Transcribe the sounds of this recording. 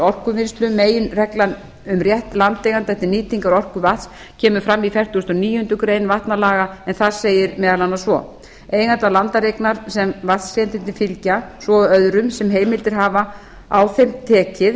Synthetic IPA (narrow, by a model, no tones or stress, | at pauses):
ɔr̥kʏmɪnst̪ɾʏmːeːjɪnrɛklan | ʏmrjɛht̪lant̪eːjɣant̪ɛht̪ːɪniːt̪iŋkaɾɔr̥kʏvaθs | cʰɛːmʏfɾamːifjɛr̥t̪ust̪ɔniːjʏʏnt̪ʏkɾeːjnvaht̪nalaːɣaɛnθaðseːjɪɾmɛːðalanːasvɔ̰ | ejɣant̪alant̪aɾeknaɾ̥sɛmvaθsrjɛnt̪ɪnt̪ɪfɪlcasvɔœðɾʏmsɛmɦeːjmɪlt̪ɪɾ̥ɦaːva | a̰wθemt̪ʰɛːcɪð